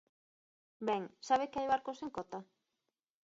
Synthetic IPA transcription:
bɛŋsaβekɪajβaɾkoseŋkɔt̪a

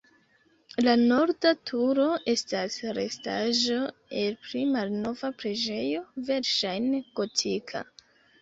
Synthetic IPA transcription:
lano̞ɾdatʰuɾo̞ʔe̞stasɾe̞̰staʒo̞elplimalno̞vapɾe̞d͡ʒe̞jo̞ve̞ɾʃajnɡ̥o̞tʰikʰa̰

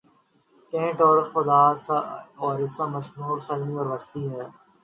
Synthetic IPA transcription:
kẽːʈɔːɾxʊd̪aːsɔːɾɪsãmɐsnuːɾsɐlmiɔːɾʋɐst̪iːɦɛː

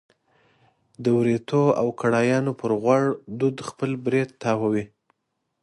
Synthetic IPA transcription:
d̪əwɾet̪oa̰wkaɽɑjɑnopəɾɣwaɽd̪ud̪xpəlbɾed̪̚t̪ːɑwawi

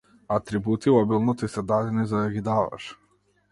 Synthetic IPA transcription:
at̪ɾibut̪iabilˠnɔt̪isɛd̪ad̪ɛnizad̪aɡid̪ava̰ʃ

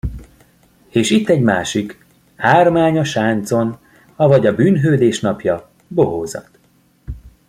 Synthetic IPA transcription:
eːʃit̪ːɛɟmaːʃik | haːrmaːɲɒʃaːnt̪so̞n | ɒvɒɟɒbyːnɦøːd̪eːʃnɒpjɒ | bo̞ɦoːzɒ̰t̪

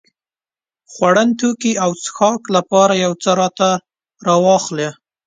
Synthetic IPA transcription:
xwaɽant̪ukiʔawsxɑklapɑɾajawt͡səɾɑt̪a | ɾɑwɑxle

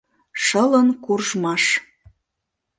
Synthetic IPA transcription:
ʃɤlə̆nkurʒmɑʃ

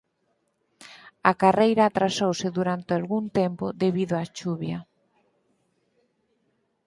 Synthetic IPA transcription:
akarejɾaːt̪ɾasowsɪðuɾant̪ɪalɣunt̪empʊðeβiðʊat͡ʃuβjɐ

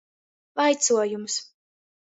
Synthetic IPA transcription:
vajt̪suɔjums

